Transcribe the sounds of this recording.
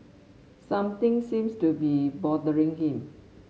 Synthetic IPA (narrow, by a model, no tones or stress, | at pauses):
sãmt̪ɪ̃ŋsĩmstubibɔdəɹĩŋhĩm